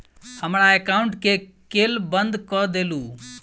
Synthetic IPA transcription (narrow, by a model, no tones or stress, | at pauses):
həmɽ̃aekaːʊɳʈkekeːlbə̃nd̪kɔd̪eːluː